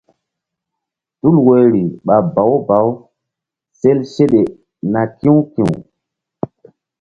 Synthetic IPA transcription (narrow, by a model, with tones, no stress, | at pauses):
tu˦lwe˨ɾi˨ɓa˨ba˨˦wba˨˦w | se˦lʃe˦ɗe˨ | na˨kĩ˦wkḭ̃˨w